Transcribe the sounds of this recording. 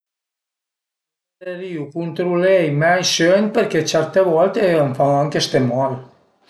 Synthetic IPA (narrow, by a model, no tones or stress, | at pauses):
deɾiukunt̪ɾulejmajʃønpeɾkɛt͡ʃɛɾt̪eβɔlt̪eəɱfaaŋkest̪emɔɾ